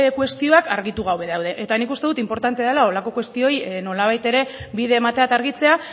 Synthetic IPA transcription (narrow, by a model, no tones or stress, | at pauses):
kwe̞st̪io̞akaɾɣit̪uɣ̞awβe̞ðawðe̞ʔet̪anikust̪e̞ðut̪impo̞ɾt̪ant̪eðelao̞lako̞kwe̞st̪io̞jno̞laβ̞ajt̪e̞ɾe̞βiðe̞ːmat̪eat̪aɾɣit͡se̞a